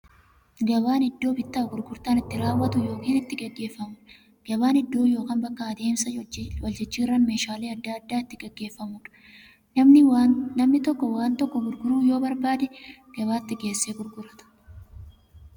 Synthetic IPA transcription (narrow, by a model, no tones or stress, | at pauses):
ɡɐbaːnɪd̪ːo̞ːbɪt̪ːaːɡʊɾɡʊɾt̪aːnɪt̪ːɪɾaːwːɐt̪ʊjo̞ːkiːnɪt̪ːɪɡɛɡːe̞ːfːɐmʊᶑ | ɡ̥ɐbaːnɪd̪ːo̞ːjo̞ːkaːnbɐkːɐɐd̪e̞ːmsɐwɐld͡ʒɛt͡ʃːiːrːɐnmeːʃaːleːɐd̪ːaɐd̪ːaːɪt̪ːɪɡɛɡːe̞ːfːɐmʊᶑɐ̥ | nɐmnɪwanɐmnɪt̪ɔkːɔwaːnt̪ɔkːɔɡʊɾɡʊɾuːjo̞ːbɐɾbaːd̪ɛɡ̥ɐβaːt̪ːɪɡe̞ːsːeːɡʊɾɡʊɾɐt̪ɐ̥